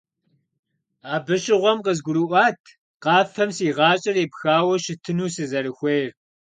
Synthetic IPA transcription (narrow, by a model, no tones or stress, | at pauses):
aːbɨɕʼɪʁʷɔmqəzɡʷʊɾɨʔʷɑːtʰ | qɑːfɐmsiːʁɑːt͡ʃʼɪreːpxaːwɐʃɪtʰɨnuːsɨzɐɾɨxʷejr